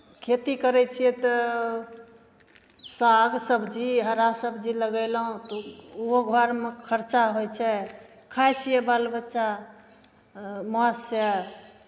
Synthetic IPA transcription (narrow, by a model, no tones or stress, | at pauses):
kʰet̪ikəɾɛt͡ʃʰijɛt̪ɔ | saɡsəbd͡ʒiɦəɾasəbd͡ʒiləɡɛlɦũt̪ɔuoɡʱwaɾmekʰəɾt͡ʃaɦojt͡ʃʰɛ | kʰajt͡ʃʰijɛbalbətːʃa | mɔsɛ